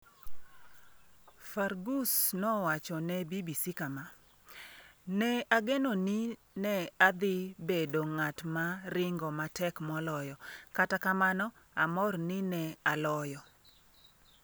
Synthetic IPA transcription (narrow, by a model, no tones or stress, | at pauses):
farɡusnɔwat͡ʃɔnɛbibisikama | nɛaɡenonɪ | nɛad̪ɪbedoŋatmaɾɪŋɡɔmatɛkmɔlɔjɔkatakamanɔ | amɔrnɪnɛalɔjɔ